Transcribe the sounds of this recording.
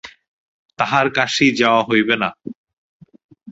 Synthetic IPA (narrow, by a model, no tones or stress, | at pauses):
t̪aɦaɾkaʃid͡ʑaoaɦojbena